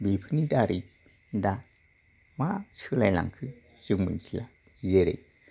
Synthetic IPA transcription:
bepʰənit̪aɾet̪̚ | nd̪a | mat͡ɕʰəklajla̰ŋkʰɯʑək̚mə̰t͡ɕʰilaʑeɾḛt̪̚

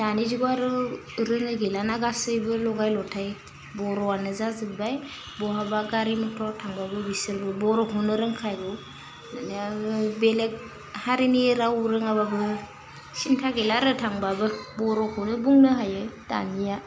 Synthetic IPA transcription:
d̥aniziɡɔaɾɯ | ɾɯŋɯɡelanaɡasɯjbɯlɔɡajlɔtʰaj | bɔɾɔanɯzazɯbaj | bɔɦabaɡaɾimɯtʰɔtʰaŋbabɯbisɯɾbɯbɔɾɔkʰɔnɯɾɯŋkʰajɾu | nanabelek̚ | haɾiniɾawuɾɯŋaβabɯ | sintʰaɡelaɾɯtʰaŋbabɯbɔɾɔkʰɔnɯbuŋnɯɦajɯd̥a̰nija

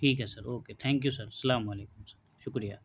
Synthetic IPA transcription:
ʈʰiːkɦɛsɐɾoːket̪ʰɛ̃ːŋkjusɐɾsɐlaːmɐleːkʊmsɐɾ | ʃʊkɾijaː

